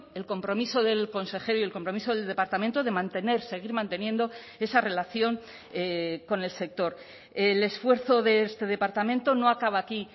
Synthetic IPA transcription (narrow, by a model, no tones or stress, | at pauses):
e̞lko̞mpɾo̞miso̞ðe̞lko̞nse̞χe̞ɾoie̞lko̞mpɾo̞miso̞ðelðe̞paɾt̪amẽnt̪oðe̞mãnt̪e̞ne̞ɾse̞ɣ̞iɾmãnt̪e̞nje̞nd̪o̞ | e̞sare̞laθjo̞ŋ | eko̞ne̞lse̞k̚t̪o̞ɾ | ele̞sfwe̞ɾθo̞ðe̞est̪e̞ðe̞paɾt̪amẽ̞nt̪o̞no̞akaβ̞aːki